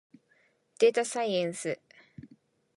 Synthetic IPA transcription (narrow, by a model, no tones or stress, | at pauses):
d̪̥eːt̪asajẽnsɨ